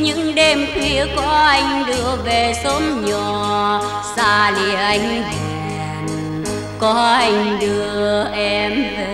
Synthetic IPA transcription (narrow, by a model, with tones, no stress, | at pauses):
ɲɨ̰˧˥ŋɗe˧mkwi˧˦əkɔ˨˦ʔa˧jŋ̟ɗɨ˨˧˩əve˨˩so˨˦mɲɔ˨˩ | saː˧lḭ˧˨əʔa˨˧jŋ̟hɛ˨˩ | n | kɔ˨˦ʔa˧jŋ̟ɗɨ˧˩əəʔɛ˧mve˨